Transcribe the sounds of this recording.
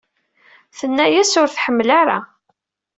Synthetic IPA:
θənːæjæsʊɾθħəmːlaɾa̰

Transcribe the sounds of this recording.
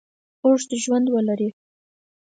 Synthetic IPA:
oʐd̪əʒwand̪wəlaɾi

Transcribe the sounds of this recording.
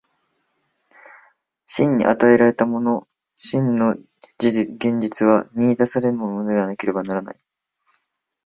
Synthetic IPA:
ɕĩɲ̟ːḭʔa̰t̪ae̞ɾaɾe̞t̪amo̞no̞ | ɕĩnːo̞ | d͡ʑiɡẽ̞ɲ̟d͡ʑit͡sɨβ̞amʲiːd̪asaɾe̞ɾɯ̟monmo̞nod̪eanake̞ɾe̞banaɾana̰i

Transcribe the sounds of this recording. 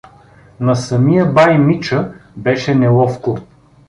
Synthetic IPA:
nɐsɐmijəbajmit͡ʃəbɛʃɛnɛlˠɔfko

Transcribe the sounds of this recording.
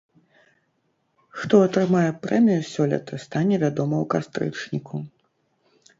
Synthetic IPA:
xt̪ɔɐt̪ɾɨmajɛpɾɛmʲijusʲɔlʲɐ̰t̪ʰɐst̪anʲɛvʲad̪ɔmɐwkast̪ɾɨ̰t͡ʂnʲikʰu

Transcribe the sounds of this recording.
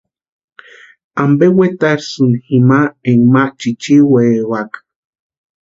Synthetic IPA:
ambewet̪aɾsunhimaeŋmaʔt͡ʃit͡ʃiwewakḁ

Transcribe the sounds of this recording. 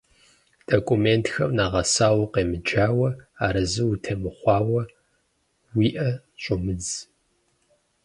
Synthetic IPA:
d̥okʷʼumeːntʰxɐmnaːʁɐsaːwɐqeːmɨd͡ʒaːwɐaːɾɐzɨwutʰɐmɨχʷɑːwɐ | wiːʔɐ | ɕʷʼʊmɨd͡z

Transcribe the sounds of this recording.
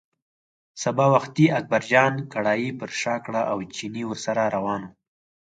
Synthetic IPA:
sabɑwaxt̪iak̚baɾd͡ʒɑnkaɽɑːjipəɾʃɑkɽaʔawt͡ʃiniwəɾsaɾaɾawɑnu

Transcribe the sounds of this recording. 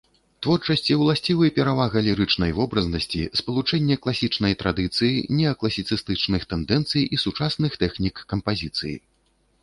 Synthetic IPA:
t̪vɔrt͡ʂɐsʲt͡sʲiwlˠasʲt͡sʲivɨjɐpʲɛɾavaɣɐlʲiɾɨt͡ʂnɐjvɔbɾɐznɐsʲt͡sʲḭspɐlˠut͡ʂɛnʲːɛklˠasʲit͡ʂnɐjt̪ɾad̪ɨt̪sɨjinʲɛɐklˠɐsʲit̪sɨst̪ɨt͡ʂnɨxt̪ɛnd̪ɛnt̪sɨjʔisut͡ʂasnɨxt̪ɛxnʲikːɐmpazʲit̪sɨjḭ

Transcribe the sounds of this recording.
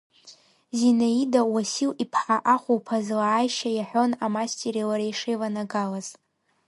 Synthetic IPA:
zinaidawasilipʰħaʔaχʷuwpʰazlaːjʃajaħʷᶣo̞namastʰʲeɾilaɾajʂejvanaɡalaz̥

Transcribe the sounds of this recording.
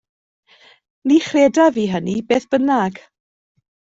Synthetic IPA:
niχreːdaviːɦənibeːθb̥ənaɡ̥

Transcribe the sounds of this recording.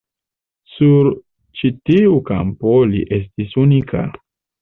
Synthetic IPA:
suɾ | t͡ʃitiuka̰mpolḭʔe̞s̬tisunikʰa̰

